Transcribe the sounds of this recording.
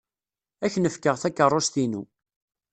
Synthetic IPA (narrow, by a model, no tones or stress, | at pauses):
æçnəfkəʁθækːərˤːost̪inṵ